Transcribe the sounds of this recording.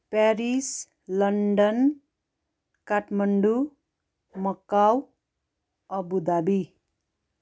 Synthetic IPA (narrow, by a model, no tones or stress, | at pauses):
pɛɾis | lʌɳɖʌn | kaʈmʌɳɖu | mʌkaw | ʌbud̪abi